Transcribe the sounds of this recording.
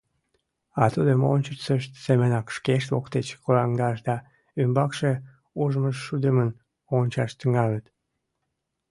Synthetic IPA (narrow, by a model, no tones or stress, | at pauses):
ɑt̪ud̪əmonʲt͡ɕəsəʃt̪semənɑkʃkeʃt̪βokt̪et͡ɕkolɑŋd̪ɑʃd̪ɑ | ymbɑkʃe | uʒməʃːud̪əmən | onʲt͡ɕɑʃt̪əŋɑlət̪